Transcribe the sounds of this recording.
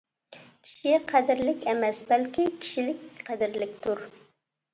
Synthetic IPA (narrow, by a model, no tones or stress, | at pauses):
kʲʰi̥ʃiqʰæd̪ɪɾlɪkʲɛmɛsbɛlkʲikʲʰi̥ʃilɪkʲqʰæd̪ɪɾlɪk̚ʲt̪ʰuɾ